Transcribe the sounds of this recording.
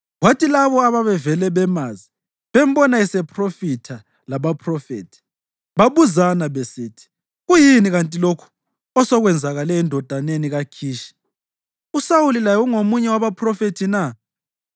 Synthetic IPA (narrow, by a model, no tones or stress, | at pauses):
watʰilaβɔaβaβɛvɛlɛβɛmazi | βem̩bɔnaisɛpʰʼrofitʰa | laβapʰʼrɔfḛːtʰi̥ | βaβuzanaβesiːtʰi̥ | ɣujiniɣantʼilokʰu̥ | ɔsɔɣwɛnd͡zʱaɣalɛindʱɔd̥ʱaneniɣakʰiːʃi̥ | usawulilajɔuŋomuɲɛwaβapʰrɔfetʰina